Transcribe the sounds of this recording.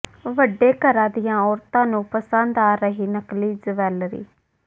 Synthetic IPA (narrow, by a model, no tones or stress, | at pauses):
ʋəɖːeːkəɾãːd̪ɪjãːɔːɾt̪ãːnũːpəsə̃nd̪aːɾəɦiːnəkliːd͡ʒəʋɛːlɾḭː